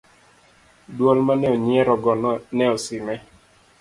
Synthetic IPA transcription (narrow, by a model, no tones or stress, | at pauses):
dwɔlmanɛɔɲiɛɾɔɡɔnɔnɛɔsɪmɛ